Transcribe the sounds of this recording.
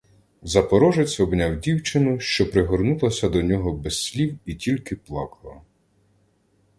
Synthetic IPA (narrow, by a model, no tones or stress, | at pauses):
zɐpɔɾɔʒet͡sʲɔbnʲawdʲiwt͡ʃɪnʊʃt͡ʃɔpɾɪɦɔrnulˠɐsʲɐd̪ɔnʲɔɦɔbɛssʲlʲiwitʲilʲkɪplˠɑ̰kɐlˠɐ